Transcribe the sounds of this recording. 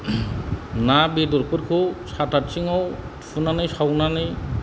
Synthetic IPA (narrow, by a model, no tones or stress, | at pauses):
nabid̪ɔɾpɯɾkʰɯsatatsiŋɔw | pʰunanɯjsawnanɯj